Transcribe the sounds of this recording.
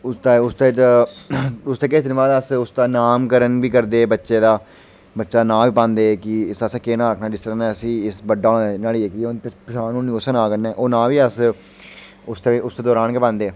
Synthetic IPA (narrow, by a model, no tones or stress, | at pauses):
ʊst̪aʊst̪eːt͡ʃ | ʊst̪eːkɪd̪ɪnbaːd̪əsʊst̪aːnaːmkəɾənbiːkəɾd̪eːbətːʃeːd̪aː | bətːʃaːnãːʋiːpãːnd̪eːkɪɪsəskeːnaːɾəkʰnaːd͡ʒɪst̪əɾaːnɛːəsĩːɪsbəɖaːnaːliːeːkiõːnepɪʃaːnũːnĩːoːsənaːkənːɛːʔoːnãːʋiːəs | ʊst̪eʊst̪eːd̪ɔːɾaːnkeːpãːnd̪eː